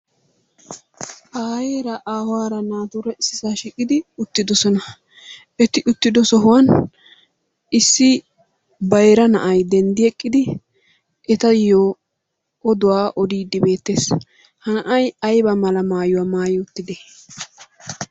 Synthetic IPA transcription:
ʔaːjeːɾɐʔaːhʊwaːɾɐnaːt̪uɾɛɪsːɪsaːʃiːkʼɪd̪ɪʊt̪ːɪd̪ɔsɔnɐ | ɛt̪ɪʔʊt̪ːɪd̪ɔsɔɦʊwɐn | ɪsːɪ | bɐjɾɐnɐʔɐjd̪ɛnd̪ɪɛkʼːɪd̪ɪ | ʔɛt̪ɐjoː | ʔɔd̪ʊwaːʔɔd̪iːd̪ːɪbe̞ːt̪ːeːs | hɐnɐʔɐjɐjbɐmɐlɐmaːjʊwaːmaːjɪʊt̪ːɪd̪ɛ

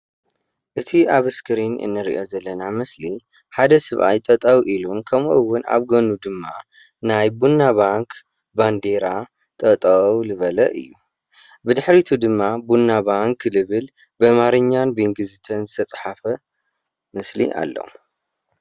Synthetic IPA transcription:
ʔɨt̪ʰiaβɨskʰɨɾinʔɨ̰nːɨɾḭʔo̞zɐlːɐnamɨsli | ħad̪ɐsɨβʔa̰jt̪ʼɐt̪ʼawʔilunkʰɐmʔɨwːʊna̰βɡɐnud̪ɨmːa | najbunːaβaŋkʰ | band̪e̞ɾa | t̪ʼɐt̪ʼɐwlɨβɐlɐ̰ʔɨ̰jːu | bɨd̪ɨħɾit̪ʰud̪ɨmːabunːabaŋklɨβɨl | bɐmaɾɨɲːanbiŋɡɨzɨt̪ʰɐnzɨt̪ʰɐt͡sʼħafɐ | mɨslḭʔa̰lːo̰

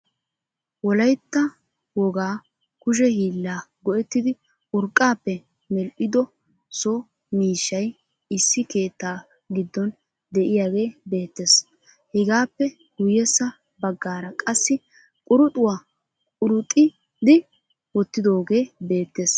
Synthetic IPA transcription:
wɔlɐjt̪ːɐ | wɔɡaː | kʊʃ̬ɛhiːlːaːɡɔʔɛt̪ːɪd̪ɪ | ʊɾkʼːaːpːɛ | mɛlʔɪd̪ɔ | soː | miːʃːɐj | ɪsːɪke̞ːt̪ːaː | ɡɪd̪ːɔn | d̪ɛʔɪjaːɡe̞ːbe̞ːt̪ːe̞ːs | hɪɡaːpːɛ | ɡʊjɛsːɐ | bɐɡːaːɾɐkʼɐsːɪ | kʼʊɾʊt̪ʼʊwaː | kʼʊɾʊt̪ʼɪ | d̪ɪ | wɔt̪ːɪd̪o̞ːɡe̞ːbe̞ːt̪ːe̞ːs

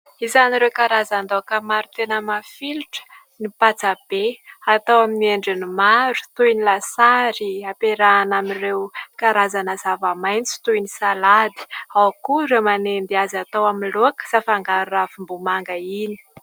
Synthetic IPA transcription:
izaniɾewkaɾazand̪okəmaɾut̪enəmafiluʈ͡ʂə̥ | nipat͡sab̥eat̪awaminieɳɖ͡ʐinimaɾu̥t̪ujnilasaɾiapeɾanamirewkaɾazanəzavamajnt͡si̥t̪ujnisalad̪i̥awkuɾemanend̪iazat̪awaminloakə̥safaŋɡaɾurafimbumaŋɡəini̥

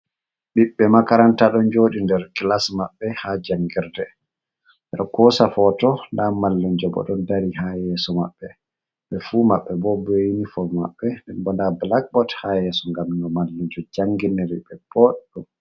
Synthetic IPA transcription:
ɓiɓːɛmakaɾantaɗɔnd͡ʒoːɗindɛɾkilasmaɓːɛhad͡ʒaŋɡiɾdɛ | ʔɛɗkɔsafɔtɔndamalːiɲd͡ʒɔbɔ̰ɗɔndaɾihajɛsɔmaɓːɛ | ɓɛfumaɓːɛbɔbejnifɔma̰ɓːɛndɛnbɔndablak̚bɔthajɛsɔŋɡamnɔmalːiɲd͡ʒɔd͡ʒaŋɡinɛɾiɓɛbɔɗɛɗum

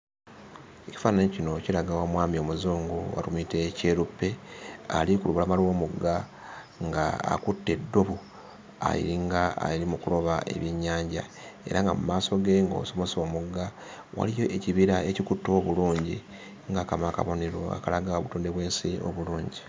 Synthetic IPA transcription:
eci̥faːnaɲocino̞cilaɡawamwaːmio̞muzuːŋɡuwa̰tumite̞ceːɾupːe̞alikuluβulamalo̞ːmuɡːa | ŋɡaa̰kutːe̞dːo̞βu | a̰jḭɾiŋɡaa̰jilimukulo̞βaʔe̞̰βjiɲːaːɲɟa̰ | e̞̰ɾʔaŋɡa̰mumaːso̞ɡe̞ŋɡo̞̰muso̞mo̞so̞ːmuɡːawa̰lijo̞ʔeciβiɾaecikutːo̞ːβuluːɲɟi | ŋɡakamaka̰βo̞ne̞ɾo̞̰a̰kalaɡaoβutoːnde̞βwe̞ːnsio̰βuluːɲɟi

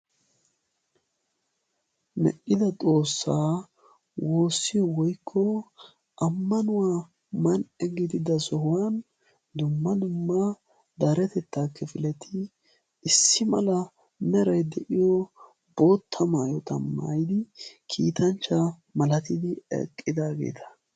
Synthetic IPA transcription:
mɛ̰ʔɪd̪ɐt̪ʼo̞ːsːaː | wo̞ːsːɪjɔwɔjkʰːɔ | ʔɐmːɐnʊwaː | mɐnɛɡɪd̪ɪd̪ɐsɔhʊwan | d̪ʊmːɐd̪ʊmːɐ | d̪ɐɾɛt̪ɛt̪ːaːkːɛfɪlɛt̪ʰɪ | ɪsːɪmɐ̰lɐ | mɛɾɐjd̪ɛʔɪjɔ | bo̞ːt̪ʰːɐmaːjɔt̪ɐmːa̰ːjd̪ɪkʰiːt̪ɐnt͡ʃːɐ | mɐlɐt̪ɪd̪ɪɛ̰kʼːɪd̪aːɡḛːt̪ʰɐ̥

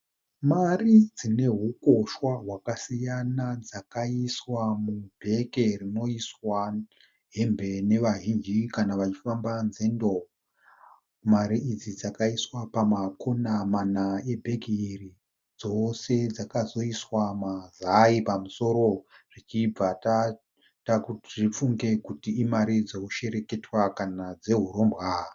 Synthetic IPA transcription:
marid͡zine̞ɦuko̞ʃwaɦwakasijanad͡zakaiswamubʱe̞ke̞rino̞iswa | ɦe̞mbe̞ne̞ʋaɦind͡ʒikanaʋat͡ʃi̥fambanze̞ndo̞ | maɾiʔːd͡zid͡zakaiswapamakʰonamanae̞bʱe̞ɡʱiiri | d͡zo̞se̞d͡zakazo̞iswamazaipamuso̞ɾo̞rit͡ʃib͡vata | takuʐip͡fuŋɡe̞kutiːmaɾid͡zouʃe̞ɾe̞ke̞twakanad͡ze̞ɦuɾo̞mbɣa

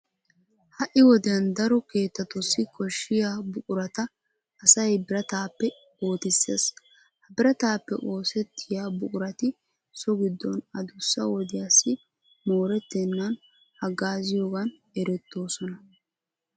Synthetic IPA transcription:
hɐʔɪwɔd̪ɪjɐnd̪ɐɾɔke̞ːt̪ːɐt̪ʊsːɪkɔʃːɪjaːbʊʔʼʊɾɐt̪ɐː | sɐjbɪɾɐt̪aːpːɛ | oːt̪ɪsːḛːs | hɐbɪɾɐt̪aːpːɛ̰ʔo̞ːsɛt̪ʰːɪjaːbʊkʼʊɾɐt̪ɪ | sɔɡɪd̪ːɔnɐd̪ʊsːɐwɔd̪ɪjasːɪ | moːɾɛt̪ːɛnːɐn | hɐɡaːzɪjoːɡɐn | ɛɾɛt̪ːo̞ːsɔnɐ

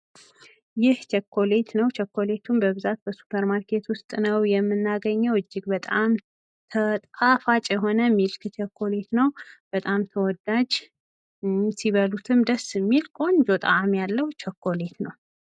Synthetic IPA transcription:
jɪht͡ʃɛkʰːo̞le̞t̪nəwt͡ʃʰɛkːo̞le̞t̪ʰumbəβɨzat̪̚bəsu̥pʰəɾmaɾkʰe̞t̪wʊst̪ʼnəwjɛmːɨnːaɡəɲːəwɨd͡ʒːɪɡbət̪ʼam | t̪ʰət̪ʼafat͡ʃʼjɛɦo̞nəmːilkʰɨt͡ʃʰɛkʰːo̞le̞t̪nəwb̥ət̪ʼamt̪ʰəwɔd̪ad͡ʒ | siβəlut̪ʰɨmd̪əsɨmːilkʼo̞nd͡ʒot̪ʼa̰mjalːəhwt͡ʃʰəkːo̞le̞t̪nəw

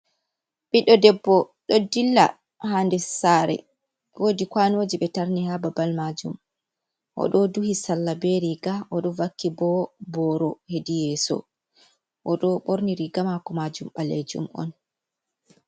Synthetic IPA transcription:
ɓiɗɔdɛbːɔ | ɗɔdilːa̰ | handɛsaɾɛ̰ | wodikwanod͡ʒiɓɛtaɾnihababalmad͡ʒum | ʔɔ̰ɗɔduhisalːabɛɾiɡaʔɔɗɔvakːibɔbɔɾɔhedijɛsɔ̰ | ʔɔɗɔɓoɾniɾiɡamakɔmad͡ʒumɓaled͡ʒṵmʔɔ̰n

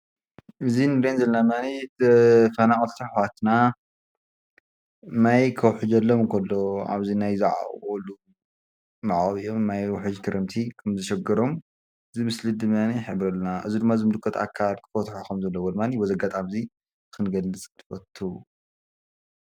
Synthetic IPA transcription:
ʔɨzinɨɾenzɐlːɐnamani | fɐnaχʼɐlt̪ʰɨħwat̪na | majkʰɐwħɨd͡ʒɐlːomnkʰɐlːoa̰βzinajzɐʕa̰olu | maʕaɣβijomnajwħɨd͡ʒkʰɨɾɨmt̪ʰikʰɐmzɐʃɛɡɐɾo̞m | ɨzimɨslɨd̪ɨmjaniħɨβɾɐlːnaʔɨzid̪ɨmːazɨmɨd̪ɨkʰːɐt̪ʰa̰kʰːalkʰɨ̥fot̪ħokɐmzɐlːɐwolmanibozɐɡat̪ʼamzi | kʰɨnɡɐlːɨt͡sʼt̪ʰɨ̥fɐt̪ʰːu

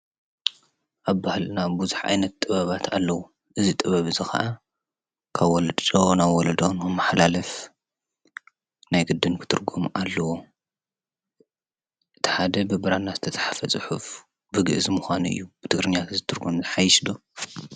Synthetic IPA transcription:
ʔaβbahlɨnabuzuħʔa̰jnɐt̪ːʼɨβɐβat̪ʰalːɐwu | ʔɨzit̪ʼɨβɐβɨzɨxɐ̰ʔa | kʰaβːɔld̪t͡ʃʼonaβwɔlɐd̪onkɨmːaħlalɐf | najɡɨd̪ːɨnkʰɨ̥t̪ʰɨɾɡomalːɐwo̞ | ʔɨt̪ʰi̥ħad̪ɐbɨbɨɾanːazɨt̪ʰɐt̪ʰɐ̥ħafɐt͡sʼɨħuf | bɨɡɨʔzɨmʊxʷanuɨ̰jːubɨt̪ʰɨɡɾɨɲːat̪ɨzɨt̪ʰɨɾɡomzɨħajɪʃd̪o

